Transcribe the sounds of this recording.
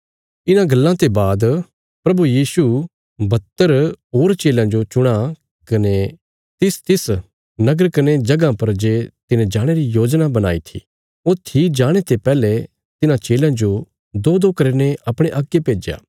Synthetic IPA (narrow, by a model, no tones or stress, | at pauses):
ɪnãɡɐlːãt̪ebaːd̪ | pɾɐbujiːsu | bɐt̪ːəɾɦoːɾt͡ʃeːlãd͡ʒot͡ʃʊɽ̃a | kɐne | t̪ɪst̪ɪs | nɐɡəɾkɐned͡ʒɐɡãpɐɾd͡ʒeːt̪ɪnẽd͡ʒaːɽ̃eɾijoːd͡ʒnabɐna̰ːit̪ʰḭ | ot̪ʰid͡ʒaːɽ̃et̪epɛːle | t̪ɪnãt͡ʃeːlãd͡ʒo | d̪oːd̪oːkɐɾeneʔɐpɽ̃eʔaːkːepeːd͡ʒja̰ː